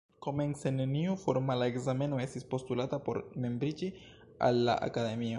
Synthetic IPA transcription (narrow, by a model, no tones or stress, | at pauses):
ko̞me̞nse̞neniufo̞ɾmalae̞ɡzame̞no̞e̞stispo̞stulatapo̞ɾme̞mbɾid͡ʒi | a̰lːa̰ʔa̰kad̪e̞mio̞